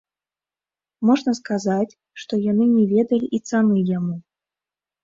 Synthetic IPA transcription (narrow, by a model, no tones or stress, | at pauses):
mɔʐnɐskazat͡sʲ | ʂt̪ɔjan̪ɨnʲɛvʲɛd̪ɐlʲiʔit̪sanɨjamu